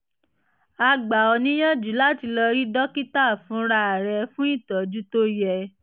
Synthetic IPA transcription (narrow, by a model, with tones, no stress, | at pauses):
a˧ɡ͡ba˨ɔ˧nĩ˦jɔ̃˦˨d͡ʒu˨˦la˦˨ti˧lɔ˧ɾi˦dɔ˦ki˦ta˦˨fũ˨˦ɾa˧˨ɾɛ˧fũ˦i˦˨tɔ˨d͡ʒu˦to˦jɛ˧˨